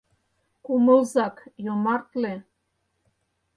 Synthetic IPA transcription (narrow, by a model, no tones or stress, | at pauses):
kumə̆lzɑkjomɑrt̪le